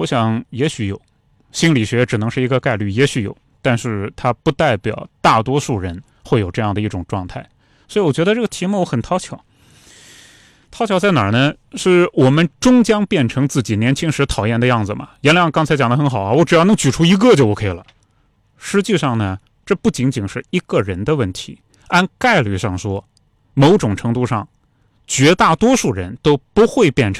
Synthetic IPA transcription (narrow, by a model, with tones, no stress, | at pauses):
wɔ˧˥ɕjɑ˨˩ŋjɛ˧˥ɕy˧˥jo˨˩˦ʊ | ɕi˥nli˨˩ɕɥɛ˧˥ʈ͡ʂɻ̩˨˩nɤ˧˥ŋʂɻ̩˥˩i˧˥ɡə˧ka˥˧ɪly˥˩jɛ˧˥ɕy˧˥jo̰˨˩˦ʊ | t̪a˥˧nʂɻ̩˥˧t̪ʰa˥pu˥˧t̪a˥˩ɪpjɑ̰˨˩ʊt̪a˥˩t̪wɔ˥ʂu˥˩ɻə˧˥n | xwe˥˩ɪjo˨˩ʊʈ͡ʂɤ˥˧jɑ˥˩ŋd̪ə˩˧i˥˩ʈ͡ʂʊ˨˩ŋʈ͡ʂwɑ˥˧ŋt̪ʰa˥˩ɪ | swɔ˧˥i˧˥wɔ˨˩t͡ɕɥɛ˧˥d̪ə˧ʈ͡ʂɤ˥˩ɡə˩t̪ʰi˧˥mu˥wɔ˥xə˨˩nt̪ʰɑ˥ʊt͡ɕʰjɑ˨˩˦ʊ | t̪ʰɑ˧˥ʊt͡ɕʰjɑ˧˥t͡sa˥˩ɪnɑ˨˩nə˦ | ʂɻ̩˥˩wɔ˨˩mə˦nʈ͡ʂʊ˥ŋt͡ɕjɑ˥ŋpjɛ˥˩nʈ͡ʂʰɤ˧˥ŋt͡sɹ̩˥˩t͡ɕi˨˩njɛ˧˥nt͡ɕʰi˥ŋʂɻ̩˧˥t̪ʰɑ˨˩ʊjɛ˥˩nd̪ə˧jɑ˥˩ŋd͡zɹ̩˩mɐ̰˩jɛ˧˥nljɑ˥˧ŋkɑ˥ŋt͡sʰa˧˥ɪt͡ɕjɑ˨˩ŋd̪ə˧xə˧˥nxɑ˨˩ʊɐ˧˦wɔ˧˥ʈ͡ʂɻ̩˨˩jɑ˥˩nɤ˧˥ŋt͡ɕy˨˩ʈ͡ʂʰu˥i˧˥ɡə˥˧t͡ɕjo˥˩ʊwɔ˧˩kʰi˨˩lə̰˩˦ | ʂɻ̩˧˥t͡ɕi˥˧ʂɑ˥˩ŋnə˩ | ʈ͡ʂɤ˥˧pu˥˩t͡ɕi˧˥ŋt͡ɕi˨˩ŋʂɻ̩˥˩i˧˥ɡə˥˧ɻə˧˥nd̪ə˧wə˥˩nt̪ʰi˧˥ | a˥nka˥˧ɪly˥˧ʂɑ˥˩ŋʂwɔ˥ | mo˧˥ʊʈ͡ʂʊ˨˩ŋʈ͡ʂʰɤ˧˥ŋt̪u˥˧ʂɑ˥˩ŋ | t͡ɕɥɛ˧˥t̪a˥˩t̪wɔ˥ʂu˥˩ɻə˧˥nt̪o˥ʊpu˧˥xwe˥˧ɪpjɛ˥˩nʈ͡ʂʰ